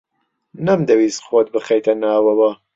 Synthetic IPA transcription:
nɐmd̪ɐwiːsxwoːt̪̚bɨxejt̪ʰɐnaːwɐwɐ

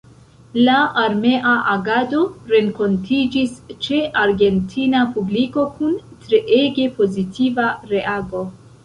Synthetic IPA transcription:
laaɾme̞ʔaʔaɡado̞ɾe̞ŋko̞ntʰid͡ʒist͡ʃe̞ʔaɾɡe̞ntʰinapubliko̞kuntɾe̞ʔeɡe̞po̞zitivaɾe̞ʔaɡo̞

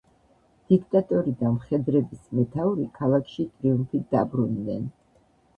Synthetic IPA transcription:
d̪̥ikʰt̪ʼat̪ʼɔɾid̪amχɛd̪ɾɛbismɛt̪ʰauɾikʰalˠakʰʃit̪ʼɾiumfid̪a̰bɾunːɛn

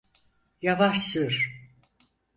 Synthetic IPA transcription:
javaʃsɯɾ̥

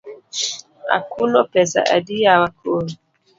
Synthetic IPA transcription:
a̰kunɔpɛsa̰ʔa̰dijawakoɾ

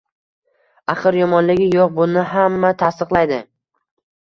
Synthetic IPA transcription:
aχɨɾjɒmɒnlɪɡʲɪjɒq̚bʊnɪɦamːat̪ʰast̪ɨqlˠajd̪ɪ

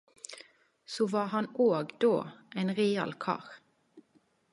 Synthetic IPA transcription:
soːʋɑːhɑnoːɡd̪oːʔeɪnʁiːɑ̰lkʰɑ̰ːʁ

